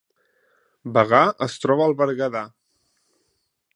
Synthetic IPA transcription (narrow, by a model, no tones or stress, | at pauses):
bəɣaəst̪ɾɔβəːlˠβəɾɣəða